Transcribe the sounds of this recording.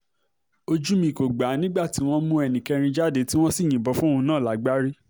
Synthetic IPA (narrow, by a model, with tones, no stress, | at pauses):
o˧d͡ʒu˦mĩ˧˨ko˨ɡ͡ba˨˦nĩ˦ɡ͡ba˦˨ti˨˦w̃ɔ̃˦mũ˦ɛ˧nĩ˨kɛ˧ɾ̃ĩ˧d͡ʒa˦˨de˨˦ti˦w̃ɔ̃˦si˦˨j̃ĩ˨bɔ˨˧˦fũ˦ũ˧nãː˦˨la˨˦ɡ͡ba˦ɾi˦